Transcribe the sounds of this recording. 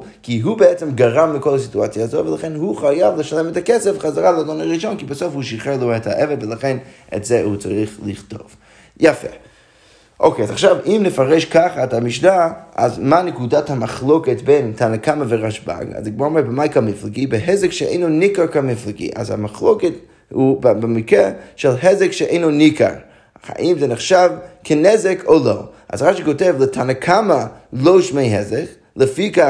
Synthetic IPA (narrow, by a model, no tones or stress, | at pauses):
kiɦuːbəɛt͡sɛmɡaʁamlɪkɔlˠəsituat͡sjazoɪvɪlˠaχɛnhuχajavlˠɪʃalˠɛmɪtakɛsɛfχazaʁalˠadɔnaʁiʃɔnkɪbɪsofhuʃiχɛlˠuɛthaʔɛvɛdvɪlˠaχɛn | ɛ̰tzɛhut͡saʁiχlˠɪχtɔ̰v̥ | jafɛ̰ | ʔokeazaχʃavimnɪfaʁɛʃkaχəatamɪʃnaa̰zmaːnɪkudathamaχlˠokətbeɪntʰanakamavɪʁaʃba̰ɡa̰zdɪɡmɔʁmɛbəmaɪkamɪflˠɪɡibɪɦɛzɪkʃɛḛɪnonikaɾkamɪflˠɪɡḭʔa̰zha̰maχlˠokɛt | hubbɪmɪkɾɛʃɛlˠɦɛzɛkʃɛʔḛɪnonika̰ɾ | a̰ʔimzɛnɪχʃavkʰɪnɛzɛkʰolˠoʊʔa̰zʁaʃikotɛvlˠətʰanakʰamalˠoʊʃmeɪɦɛzɛk | lˠəfika